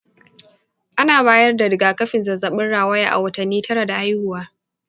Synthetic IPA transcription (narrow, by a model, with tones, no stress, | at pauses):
ʔa˦naː˨baː˦jɐ˦rda˨dɪ˨ɡaː˨kɐ˦ɸɪ˨nzɐ˨zɐ˨ɓɪ˦nɽaː˨wɐ˦ja̰ː˨ʔa̰˨wɐ˦tɐ˨nːiː˦tʰɐ˦ɽa˨da˨ʔa˦jhʊ˨waː˦